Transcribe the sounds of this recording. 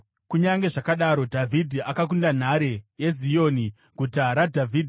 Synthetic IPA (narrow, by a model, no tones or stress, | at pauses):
kuɲaŋɡe̞ʐakaɗaɾo̞dʱavʱidʱiakak̬undan̤aɾeje̞zio̞ni | ɡ̥ʱutaɾadʱavʱiːdʱ